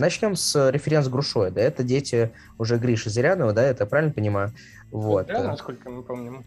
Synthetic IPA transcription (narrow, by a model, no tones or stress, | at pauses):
nɐt͡ɕnʲo̞msɾʲɪfʲɪɾʲent̪sɡɾʊʂo̞jəd̪aɛt̪ədʲetʲɪ | ʊʐɛɡɾʲiʂɨzɾʲanəvəd̪aɛt̪əjpɾavʲɪlʲnəpənʲɪmajʊ | vo̞t̪skolʲkəmɨpomnʲʊ